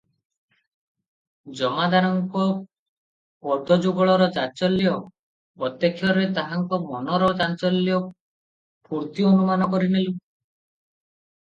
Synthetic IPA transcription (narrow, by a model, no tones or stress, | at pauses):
d͡ʒɔmad̪aɾɔŋkɔ | ɔd̪ʱɔd͡ʒuɡɔɭɔɾɔd͡ʒat͡ʃɔljɔ | pɾɔt̪jekʰːjɔɾet̪aɦaŋkɔmɔnɔɾɔd͡ʒat͡ʃɔlːijɔ | puɾt̪ionumanɔkɔɾinilu